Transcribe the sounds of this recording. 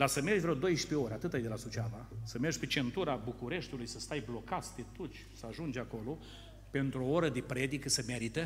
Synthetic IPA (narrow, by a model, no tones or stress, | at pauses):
lasəme̞rd͡ʒʲvɾeod̪o̞jʃi̥peo̞ɾʲeat̪ɨt̪ajd̪elasut͡ʃavasəme̞rʒʲpet͡ʃe̞nt̪uɾabukuɾe̞ʃt̪ulujsəst̪ajblo̞kat̪st̪et̪ut͡ʃʲsəaʒund͡ʒʲako̞lo | pe̞nt̪ɾuo̞oɾəd̪epɾe̞d̪ikəsəmeɾit̪ə